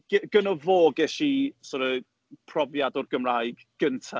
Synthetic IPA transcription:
ɡ̥ɪɡ̥ənɔvoːɡɛʃisɔɾə | pʰrɔvjadɔrɡəmraːjɡɡ̥əntʰa

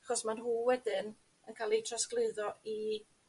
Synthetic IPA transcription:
aχɔsmanɦuːwɛdɨn | ənkʰaːlˠitʰrasklˠɨɨðɔi

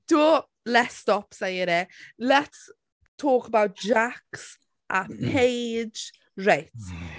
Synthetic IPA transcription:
d̥uː | lɛtstɔpsejəɾɛlɛts | tʰoːkəbawt̚d͡ʒaks | ʔəpʰejd͡ʒ | ɹejt

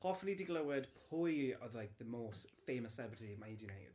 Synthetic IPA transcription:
ɔfən̩lidiɡlˠəwɪd̥pʰʊjɔðlajk̚ðəmoːstfejməsɛbətimaidinejd̥

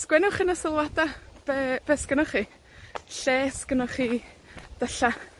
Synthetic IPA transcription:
skwɛnʊχɪnasɔlˠwadab̥ɛb̥ɛskənʊχiː | ɬɛːskənɔχiː | d̥əɬa

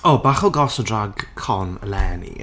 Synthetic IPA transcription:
oːbaːχɔlˠɡɔsədraɡkʰɔnə̰lɛːnḭ

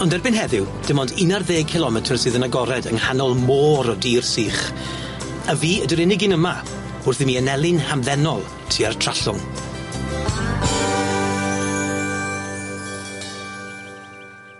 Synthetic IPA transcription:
ɔndɛrbɪnɦɛðɪwd̥ɪmɔndɪnarðeːkʰɪlˠɔmɛtʰərsɨːðənaɡɔɾɛdəŋhanɔlˠmoːɾɔdiːrsiːχ | aviːədəɾɪnɪɡɪnəma | ʊrθimiːənɛlˠɪnhamðɛnɔlˠ | tʰiːartʰr̥aɬʊŋ

